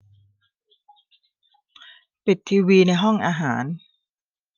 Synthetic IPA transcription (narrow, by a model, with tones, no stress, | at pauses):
pi˨˩t̪ʰːiː˧wiː˧na˧jɦɔ˥˩ŋʔaː˧ɦaː˩˦n